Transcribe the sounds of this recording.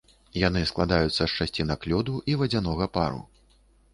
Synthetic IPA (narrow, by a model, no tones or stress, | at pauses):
jan̪ɨsklˠad̪ajut̪sːɐʂt͡ʂasʲt͡sʲinɐklʲɔd̪uʔivɐd͡zʲanɔɣɐpa̰ɾṵ